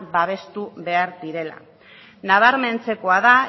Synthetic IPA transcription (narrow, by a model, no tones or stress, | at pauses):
baβ̞e̞st̪uβe̞aɾd̪iɾe̞la̰ | naβaɾme̞nt͡se̞ko̞aða